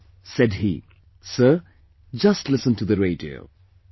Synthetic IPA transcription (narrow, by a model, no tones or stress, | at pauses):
sɛd̚hḭ | sɜ | d͡ʒʌstlɪsə̃ntʰuðɨɹeɪdio̰ʊ